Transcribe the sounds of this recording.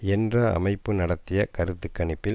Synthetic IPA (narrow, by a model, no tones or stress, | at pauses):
ɛndrɐɐ̰mɐɪpːɯnɐɽɐt̪ːɪjɐkɐɾɯt̪ːɯkːɐɳɪpːɪ